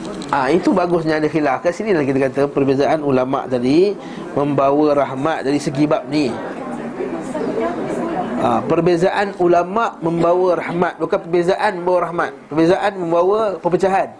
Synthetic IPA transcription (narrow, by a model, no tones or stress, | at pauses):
ʔait̪ubaɡʊsɲãːdaxilafkaʔsinilahkit̪akat̪əpərbezaʔanulamã̰ʔt̪adi | mə̃mbawəɾahmat̪̚daɾisəɡibap̚ni | apərbezaʔanulamaʔmə̃mbawəɾahmat̪̚bukanpərbezaʔanmə̃mbawəɾahmat̪̚pərbezaʔanmə̃mbawəpəpət͡ʃaɦan